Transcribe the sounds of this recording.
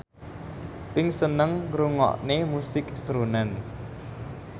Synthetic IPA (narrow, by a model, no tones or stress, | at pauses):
piŋsənəŋruŋɔ̰ʔneːmusik̚srunən